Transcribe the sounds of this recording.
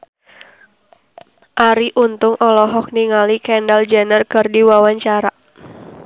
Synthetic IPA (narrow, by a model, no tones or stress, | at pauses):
ʔaɾiʔunt̪ʊŋʔɔlɔɦɔk̚niŋalikɛndald͡ʒɛnərkərdiwawaɲt͡ʃaɾa